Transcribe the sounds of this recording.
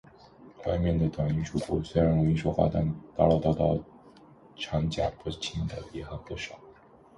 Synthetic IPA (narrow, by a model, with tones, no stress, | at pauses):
t̪ʰwa˥˧mjɛ˥˩nd̪ə˩t̪wa˨˩ŋi˧˥ʈ͡ʂʰu˥˩pu˥˩swe˥ɪɻa˧˥nwe˧˥i˧˥ʂwo˥ʊxwa̰˥˧t̪a̰˥˩nt̪ɑ˥˧ʊlo˥˧t̪ɑ˥˧t̪ɑ˥˩ʊ | ʈ͡ʂʰɑ˧˥ŋt͡ɕja̰˨˩pu˥˩t͡ɕʰi˥nd̪ə˧jɛ˧˥xa˧˥˩xɤ˧˥ʂɑ˨˩˦ʊ